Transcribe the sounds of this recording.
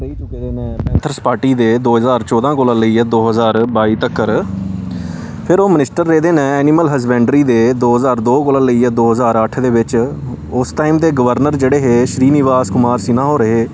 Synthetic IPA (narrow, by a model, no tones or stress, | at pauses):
ɾəiːt͡ʃʊkeːd̪eːnɛ̃ːpɛ̃ːnt̪ʰəɾspaːɾʈiːd̪eːd̪oːɦəzaːɾt͡ʃɔːd̪ãːkoːlãːləiːɛːd̪oːɦəzaːɾbaːiːt̪əkːəɾ | pʰɪɾoːmənɪsʈəɾːeːd̪eːnɛ̃ːɛːniːməlɦəsbɛ̃ːɳɖəɾiːd̪eːd̪oːɦəzaːɾd̪oːkoːlãːləiːɛːd̪oːɦəzaːɾəʈʰd̪eːʋɪt͡ʃ | ʊsʈaːiːmd̪eːɡəʋəɾnəɾd͡ʒeːɽeːɦeːʃɾiːnɪʋaːskʊmaːɾsɪnãːɦoːɾəɦeː